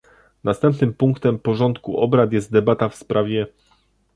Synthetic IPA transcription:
nast̪ɛmpnɘmpuŋkt̪ɛmpɔʐɔnt̪kuʔɔbɾat̪jɛst̪̚d̪ɛbat̪afspɾavʲjɛ

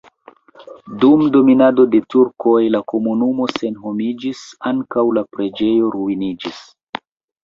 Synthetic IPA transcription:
dumdo̞minado̞de̞tuɾko̞jlako̞munumo̞se̞nɦo̞mid͡ʒisaŋkawlapɾe̞d͡ʒe̞jo̞ɾuinid͡ʒis

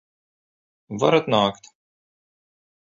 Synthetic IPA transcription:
vɐɾɐt̪naːkt̪

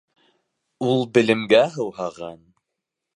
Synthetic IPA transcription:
ulˠbɘ̆lɘ̆mɡæɦɤ̆wɦɑʁɑn

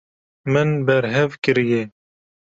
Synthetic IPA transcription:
mɨnbɛɾɦɛvkɨɾijɛ

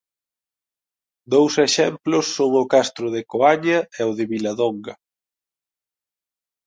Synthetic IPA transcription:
d̪owseʃɛmplʊsːoŋʊkast̪ɾʊðekoaɲɐɛʊðɪβilɐðoŋɡɐ

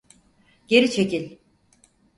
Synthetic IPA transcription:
ɟ̥e̞ɾit͡ʃʰe̞cilʲ

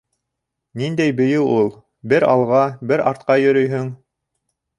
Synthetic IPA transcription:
nind̪æjbɘ̆jɘwulˠ | bɘɾɑlˠʁɑbɘɾɑɾt̪qɑjɵ̆ɾɵjɦɵŋ

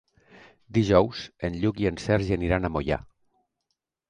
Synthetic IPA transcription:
d̪iʒɔwzenʎukiensɛɾʒeniɾanamoja̰

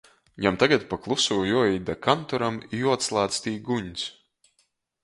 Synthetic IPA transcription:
jamt̪aɡat̪paklˠusuːjɔid̪akant̪ɔɾamijuɔt̪slˠaːt̪st̪iːɡuɲs

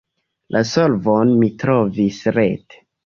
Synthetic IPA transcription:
lʔasolvonmitɾo̞visɾete̥

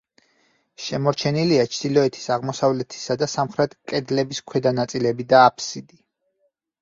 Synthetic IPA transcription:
ʃɛmɔɾt͡ʃʰɛniliat͡ʃʰd̪̥ilɔɛt̪ʰi̥saʁmɔsavlɛt̪ʰi̥sad̪asamχɾɛt̪ʰkʼɛd̪lɛbiskʰwɛd̪anat̪sʼilɛbid̪aːpʰsid̪i

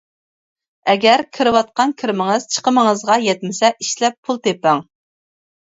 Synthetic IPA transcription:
ɛɡʲɛɾkʲʰɨɾɨwɑt̪̚qɑnkʲʰiɾmɪŋɨz̥t͡ʃʰə̥qəməŋəzʁɑjɛt̪̚mɪsɛʔiʃlɛpʰːulˠt̪ʰepæŋ

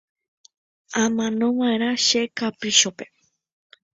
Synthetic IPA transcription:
ãmãnõʋãẽɾ̃ãʃekapɾɨʃope

